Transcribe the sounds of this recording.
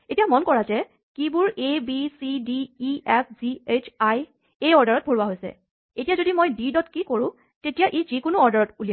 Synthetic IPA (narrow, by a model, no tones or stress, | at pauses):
etijamɔnkɔɹazɛ | kibʊɹebisidiːɛpʰz̥iet͡ʃʰaj | ejɔɹdaɹɔt̚bʱoɹuwaɦojsɛ̰ | etijazodimojdidɔtkikoɹʊ̃ | tetijaʔezikʊnʊɔɹdaɹɔtulia